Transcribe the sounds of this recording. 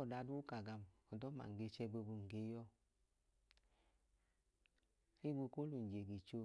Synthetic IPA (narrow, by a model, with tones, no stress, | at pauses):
ɔ˨da˧˨du˦u˦ka˨ɡa˧mɔ˨dɔ˦ma̰˨ŋ̩˨ɡe˧t͡ʃɛ˧ɡ͡bo˧bu˧˨ŋ̩˨ɡe˨˦jɔ˧˦ | i˦ɡu˧ko˦lu˨n˨d͡ʒe˨ɡi˨t͡ʃo˧